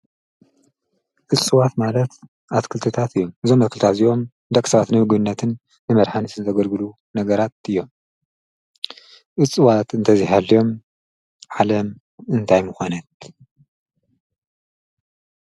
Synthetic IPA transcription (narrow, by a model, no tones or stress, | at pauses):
ʔɨt͡sʼːɨwat̪malɐt̪ | ʔaskʰɨlt̪ʰɨt̪ʰat̪ɨjːo̞mɨzo̞mːɐtkʰɨlt̪ʰat̪ziʔo̞m | d̪ɐkʼsɐβat̪nɨhɨɡbɨnːɐt̪ʰɨnː | ɨmɐɾħanɨsɨnɨt̪ʰɐɡɐlɡɨlu | nɐɡɐɾat̪̚ɨjːo̞m | ʔɨt͡sʼːɨwat̪ɨnt̪ʰɐziɦalijo̞m | ʕalɐm | ɨnt̪ʰajmɨxonɐt̪